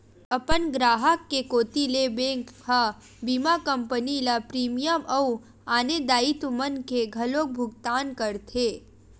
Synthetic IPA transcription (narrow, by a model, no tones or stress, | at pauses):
ɐpənɡɾaːɦəkːekoːt̪ilebẽːŋkɦa | biːmakə̃mpənilapɾiːmijəmɐu | aːned̪aːit̪mənkeɡʱɐloːk̚bʱʊɡ̚t̪aːnkəɾt̪ʰeː